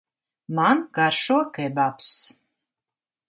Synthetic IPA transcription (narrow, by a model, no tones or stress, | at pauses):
manɡaɾʃuɔkɛbaps